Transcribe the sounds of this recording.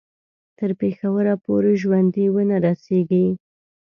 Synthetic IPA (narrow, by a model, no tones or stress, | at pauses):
t̪əɾpexawəɾapoɾeʒwand̪iwənaɾaseɡi